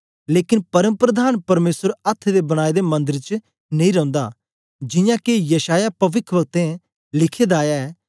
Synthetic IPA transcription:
leːkɪnpɐɾəmpɾəd̪aːnpɐɾmeːsəɾɐt̪ʰːd̪ebɐɽ̃aːed̪emɐ̃nd̪ɪɾt͡ʃ | nɐ̃ĩɾɐ̃ʊ̃nd̪aː | d͡ʒɪ̃jãːkejɐʃaːjapɐʋɪkʰʋəɡ̚t̪ẽ | lɪkʰeːd̪aːjaɛː

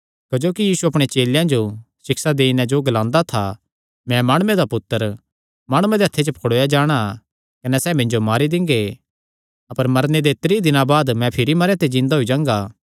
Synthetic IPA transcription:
kɐd͡ʒoːkijiːsuɐpɽ̃et͡ʃeːljãd͡ʒo | sɪksad̪eːɪnɛ̃d͡ʒoːɡɐlãːnd̪at̪ʰa̰ | mɛ̃maːɽ̃ʊːẽd̪apʊt̪ːəɾ | maːɽ̃uẽd̪eɐt̪ʰːet͡ʃopʰɐkʰɽoːjad͡ʒaːɽ̃a | kɐnɛsɛːmɪ̃ɲd͡ʒomaːɾid̪ɪ̃ŋɡe | ɐpəɾmɐɾned̪et̪ɾid̪ɪnãbaːd̪mɛ̃pʰɪɾimɐɾẽt̪ed͡ʒɪ̃nd̪aɦoid͡ʒãːŋɡaː

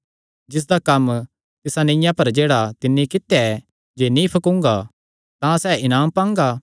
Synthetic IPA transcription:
d͡ʒɪs̬d̪akɐm | t̪ɪsanɐ̃jãpɐɾd͡ʒeːɽat̪ɪnːikɪt̪jaɛ | d͡ʒeːnĩpʰɐkʊ̃ŋɡa | t̪ãsɛːʔɪnaːmpãːŋɡaː

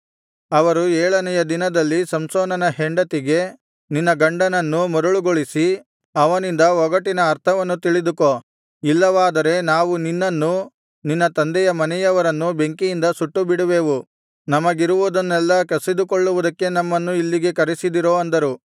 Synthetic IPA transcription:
ɐʋɐɾuɛːɭɐnɛjɐd̪inɐd̪ɐlːisɐmsoːnɐnɐɦeɳɖɐt̪iɡe̞ | ninːɐɡɐɳɖɐnɐnːumɐɾuɭuɡoɭisi | ɐʋɐnind̪ɐʋɔɡɐʈinɐːɾt̪ʰɐʋɐnːut̪iɭid̪uko | ilːɐʋaːd̪ɐɾe̞naːʋuninːɐnːu | ninːɐt̪ɐnd̪ɛjɐmɐnɛjɐʋɐɾɐnːube̞ŋkijind̪ɐsuʈːubiɽuʋe̞ːʋu | nɐmɐɡiɾuʋud̪ɐnːɛlːɐkɐsid̪ukoɭːuʋud̪ɐkːe̞nɐmːɐnːuilːiɡe̞kɐɾisid̪iɾoːɐnd̪ɐɾu

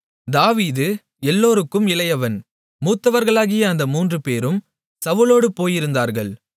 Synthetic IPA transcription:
d̪aːʋiːðɯ | ɛlːoːɾɯkːɯmɪlɐjɐʋɐn | muːt̪ːɐʋɐɾɣɐɭaːɣɪjɐːnd̪ɐmuːndrɯpeːɾɯm | sɐʋɯloːɽɯpoːjɪɾɯnd̪aːɾɣɐɭ

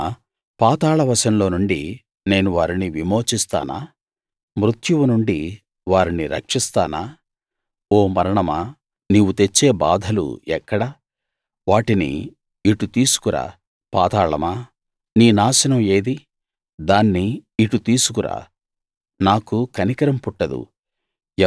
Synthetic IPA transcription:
paːt̪aːɭɐʋɐʃɐnlo̞ːnuɳɖi | ne̞ːnuʋaːɾiniʋimo̞ːt͡ʃist̪a̰ːna̰ː | mɾut̪juʋunuɳɖi | ʋaːɾiniɾɐ̰kʂist̪a̰ːnaː | oːmɐɾɐɳɐma | niːʋut̪e̞t͡ʃːe̞ːba̰ːd̪ʱɐlṵɛkːɐɽɐ | ʋaːʈinḭː | ʈut̪iːsu̥kuɾa̰ː | paːt̪aːɭɐ̰maː | niːnaːʃɐnɐme̞ːd̪i | d̪aːnːiːʈut̪iːsukuɾa̰ː | naːkukɐnikɐɾɐmpuʈːɐd̪ṵ

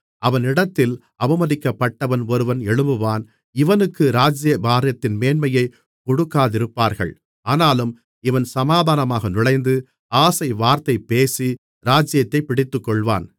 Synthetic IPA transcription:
ʔɐʋɐnɪɽɐt̪ːɪl | ɐbɐmɐðɪkːɐpːɐʈːɐʋɐnɔɾɯʋɐnɛɻɯmbɯʋaːn | ɪʋɐnɯkːɯɾaːd͡ʒjɐbaːɾɪjɐt̪ːɪnmeːnmɐjɐɪ | kɔɽɯkːaːðɪɾɯpːaːɾɣɐ̰ɭ | aːnaːlɯm | ɪʋɐnsɐmaːðaːnɐmaːɣɐnɪɭɐɪnd̪ɯ | aːsɐɪʋaːɾt̪ɐɪpːeːsi | ɾaːd͡ʒɪjɐt̪ːɐɪpɪɽɪt̪ːɯkːɔɭʋa̰ːn

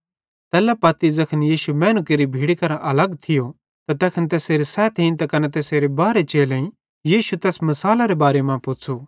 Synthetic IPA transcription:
t̪ɛːlapɐt̪id͡zɐkʰənjiːʃumɛ̃ːnukeɾibʱiːɽikɐɾaʔɐlɐɡt̪ʰɪjo | t̪at̪ɛːkʰənt̪ɛːseːɾisɛːt̪ʰĩnt̪akɐnɛt̪eːseːɾebaːɾet͡ʃeːlẽĩ | jiːʃut̪ɛːsmɐsaːlaɾebaːɾemãpʊt͡ʃʰu

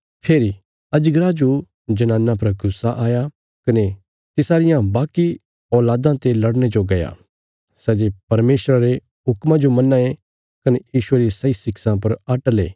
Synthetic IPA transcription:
pʰeːɾi | ɐd͡ʒɡɾad͡ʒo | d͡ʒɐnãːnːãpɐɾɡʱʊsːaʔaːja | kɐne | t̪ɪsaːɾɪjãbaːki | ɔːlaːd̪ãt̪elɐɽñed͡ʒoɡɐja̰ː | sɛːd͡ʒepɐɾmeːsɾaɾe | ɦʊkmãd͡ʒomɐnːaːe | kɐnejiːʃueɾisɐisɪksãpɐɾɐʈəlḛː

